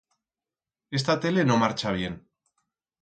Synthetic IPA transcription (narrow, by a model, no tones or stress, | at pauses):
e̞s̬t̪at̪e̞le̞no̞maɾt͡ʃaβ̞je̞n